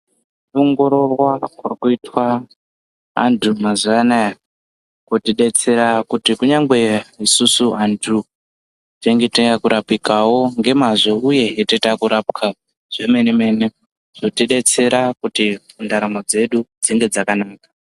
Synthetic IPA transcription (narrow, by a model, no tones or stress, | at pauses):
uŋɡo̞ɾo̞rwakwakuitwa | a̰ndʰumazanaja | kotiɗe̞t͡se̞ɾakutikuɲaŋɡe̞isusuantʰu | teŋɡeteŋɡakuɾapikawo̞ŋɡe̞maʐo̞uje̞ɦetetakuɾapkʰa | ʐ̥eme̞neme̞ne | ʐ̥otiɗe̞t͡se̞ɾakutimundaɾamod͡ze̞ɗud͡ziŋɡe̞d͡zakanaːkḁ